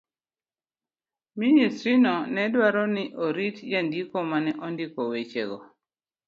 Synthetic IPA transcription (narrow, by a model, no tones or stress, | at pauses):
ministɾinɔnɛdwaɾɔnɪʔoɾitd͡ʒandikɔmanɛʔɔndikowet͡ʃḛɡɔ̰